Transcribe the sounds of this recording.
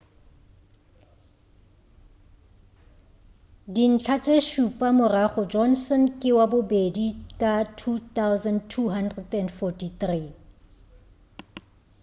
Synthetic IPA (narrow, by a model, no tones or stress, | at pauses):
din̩t͡ɬʰat͡sʼeʃupʼamʊraɣʊd͡ʒɔnsɔnkʼɪwabʊbedikʼatʰut̪awzantʰuɦandrɛdɛnfɔtiθri